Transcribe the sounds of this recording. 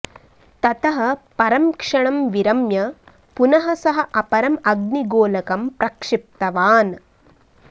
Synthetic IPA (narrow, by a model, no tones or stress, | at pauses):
t̪ɐt̪ɐɦɐ̆pɐɾɐmkʂɐɳɐmʋiɾɐmjɐ | punɐɦɐsɐɦɐ̆ʔɐpɐɾɐmɐɡniɡoːlɐkɐmpɾɐkʂɪp̚t̪ɐʋaːn